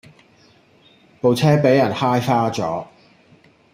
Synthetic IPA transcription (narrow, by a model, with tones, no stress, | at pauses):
po˨wt͡sʰɛː˥pe˨˥jːɐ˨˩nhaː˥jfaː˥t͡sɔ̰ː˨˥